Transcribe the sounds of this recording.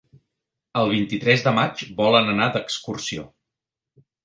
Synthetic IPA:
əlˠβ̞int̪it̪ɾɛzðəmad͡ʒbɔlənənad̪əkskursio

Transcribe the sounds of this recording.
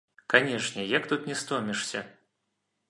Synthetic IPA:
kanʲɛʂnʲɛjakt̪ut̪nʲɛst̪ɔmʲɛʂsʲɐ

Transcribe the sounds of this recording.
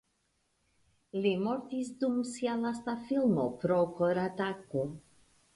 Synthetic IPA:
limoɾtisdumsialastafilmopɾokoɾatako

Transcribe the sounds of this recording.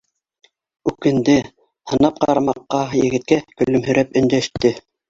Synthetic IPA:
ʉkɘ̆nd̪ɘ | hɤ̆nɑp̚qɑɾɑmɑqːɑjɘ̆ɡɘ̆t̪̚kækɵ̆lɵmhɵ̆ɾʔæpɵ̆nd̪æʃt̪ɘ

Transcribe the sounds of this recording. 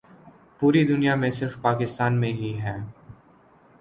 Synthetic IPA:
puːɾid̪ʊnijamẽsɪɾfpaːkɪst̪aːnmẽɦiɦɛː

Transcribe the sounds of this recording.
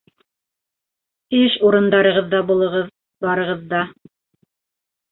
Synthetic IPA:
iʃuɾɤ̆nd̪ɑɾɤ̆ʁɤ̆ðːɑbulˠɤ̆ʁɤð | bɑɾɤ̆ʁɤ̆ðːɑ

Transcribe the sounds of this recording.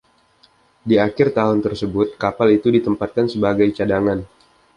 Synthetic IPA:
diakɪrt̪aɦʊnt̪ərsəbʊt̪̚kapalit̪udit̪əmpat̪̚kansəbaɡajt͡ʃadaŋan

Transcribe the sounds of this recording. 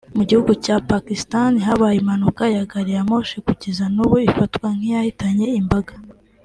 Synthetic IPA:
muɟihuɡucapakistaniɦaβajimanukajaɡaɾijamo̞ʃikuɟezanuβoifatkwaŋ̥ijahitaɲe̞imbaɡḁ

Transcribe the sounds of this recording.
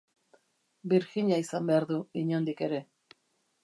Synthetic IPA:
biɾxiɲaisambe̞aɾðuiɲond̪ike̞ɾe̞

